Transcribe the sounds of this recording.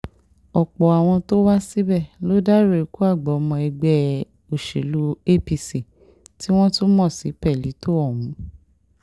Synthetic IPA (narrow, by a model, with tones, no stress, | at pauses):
ɔ˨k͡pɔ˨a˨w̃ɔ̃˧to˦wa˦si˦bɛ˦˨lo˨˦da˦ɾe˦˨ku˦a˦˨ɡ͡bɔ˨ɔ˧mɔ̃˧ɛ˧ɡ͡bɛ˦ | o˨ʃḛ˨lu˦e˦pi˧si˨ | ti˦w̃ɔ̃˦tu˦mɔ̃˦˨sḭ˨˦pɛ˦˨li˨˦to˦ɔ˦˨wũ˨˦